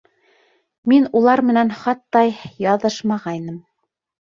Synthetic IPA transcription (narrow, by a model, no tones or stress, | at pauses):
minulˠɑɾmɘ̆nænχɑt̪ːɑjjɑðɤʃmɑʁɑjnɤm